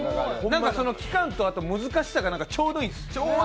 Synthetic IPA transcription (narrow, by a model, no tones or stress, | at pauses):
nãŋkaso̞no̞kʲi̥kãnt̪o̞at̪o̞mɯ̟zɨkaɕi̥saɡanãŋkat͡ɕo̞ːd̪oĩ̥